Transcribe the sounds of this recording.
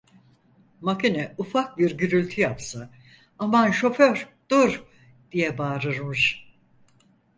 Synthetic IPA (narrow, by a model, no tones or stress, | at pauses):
makinɛufak̚biɾɟyɾylʲt̪ʰyjapsa | amanʃo̞føɾd̪̥uɾ | d̪̥ijɛbaːɾɯɾmuʃ